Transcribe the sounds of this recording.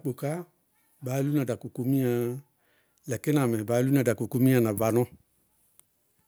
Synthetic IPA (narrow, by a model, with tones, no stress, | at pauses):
k͡po˨ka˦ | baː˨˦lu˦nã˨da˨ko˨ko˧mĩ˦ã˧˨ | lɛ˨kɛ˦nã˨mɛ̃˨baː˨˦lu˦nã˨da˨ko˨ko˦mĩ˦ã˨nã˨va˨˦nɔ̃˦